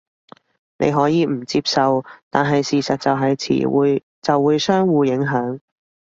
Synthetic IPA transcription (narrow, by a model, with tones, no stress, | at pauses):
nʔḛ˨˧jɦɔː˨˥jiː˨˧m̩˨˩t͡siː˧p̚sɐ˨˧wt̪aː˨nɦɐ˨jsiː˨sɐ˨t̚t͡sɐ˨wɦɐ˨jt͡sʰḭː˨˩˨ | t͡sɐ˨wːuː˨˧jsœː˥ŋwuː˨˧jɪ˨˥ŋɦœː˨˥ŋ